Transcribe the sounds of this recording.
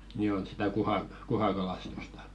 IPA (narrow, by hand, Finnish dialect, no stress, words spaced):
ni on sitæ kuhɑ kuhɑkɑlɑstustɑ̥